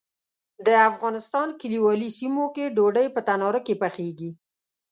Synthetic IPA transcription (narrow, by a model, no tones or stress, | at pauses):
d̪əafɣɑnɪst̪ɑnkɪliwɑlisimokeɖoɖəjpət̪anɑɾəkepaxeɡi